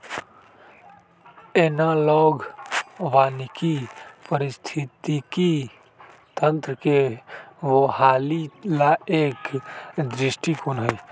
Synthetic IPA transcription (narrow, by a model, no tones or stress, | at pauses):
eːnaːlɔːɡʋaːnikipəɾɪst̪ʰɪt̪iki | t̪ə̃nt̪ɾəkeʋohaːlilaeːkd̪ɾɪʃʈikonɦɛ